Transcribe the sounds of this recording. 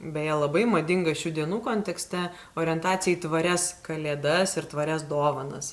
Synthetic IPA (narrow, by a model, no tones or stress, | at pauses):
bʲɛtjɛlˠɐbɐɪmɐd̪ʲɪŋɡɐʃʲuːd̪ʲiɛnuːkoːnʲt̪ʲɛksʲt̪ʲɛ | oːɾʲɪɛnt̪ɑːt̪sʲɪjɛɪt̪ʋɐɾʲɛskɐlʲeːd̪ɐsɪɾt̪ʋɐɾʲɛs̬d̪oːʋɐnɐ̰s